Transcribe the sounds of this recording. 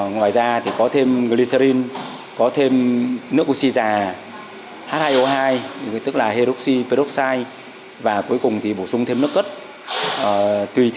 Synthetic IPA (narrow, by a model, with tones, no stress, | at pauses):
ŋwaː˨˩jzaː˧t̪ʰi˨˩kɔ˨˦t̪ʰe˧mɣli˧sə˧ɾi˧n | kɔ˨˦t̪ʰe˧mnɨ˦˥ək̚ʔu˧t̚si˧zaː˨˩ | haː˦˥t̚haː˧jʔo˧ɦaː˧jt̪ɨ˦˥k̚laː˨˩ɦe˧ɾu˦˥k̚si˧pe˧ɾɔ˦˥k̚saː˧j | vaː˨˩ku˨˦əjkʊ˨˩ŋ͡mt̪ʰi˨˩ɓo˧˩sʊ˧ŋ͡mt̪ʰe˧mnɨ˦˥əkːə˦˥t̚ | ʔəː˨˩t̪wi˧˩t̪